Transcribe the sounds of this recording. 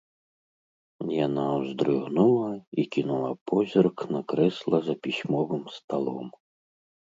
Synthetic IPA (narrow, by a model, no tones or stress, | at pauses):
janawzd̪ɾɨɣnulˠɐikʲinulˠapɔzʲɔrknakɾɛslˠɐzɐpʲisʲmɔvɨmst̪alˠɔ̰m